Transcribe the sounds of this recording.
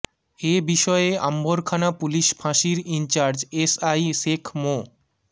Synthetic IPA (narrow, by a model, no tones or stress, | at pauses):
ebiʃɔea̰mboɾkʰanapuliʃbʱãʃiɾint͡ɕaɾd͡ʑesajʃekʰmo